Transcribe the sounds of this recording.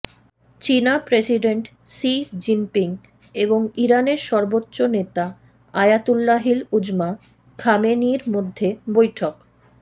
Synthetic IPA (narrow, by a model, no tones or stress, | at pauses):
t͡ɕinapɾesiɖeɳʈ | sid͡ʑimpiŋ | eboŋiɾaneɾʃɔɾbotːɕonet̪a | ajat̪ulːaɦilud͡ʑma | kʰameniɾmod̪ʱːebojʈʰok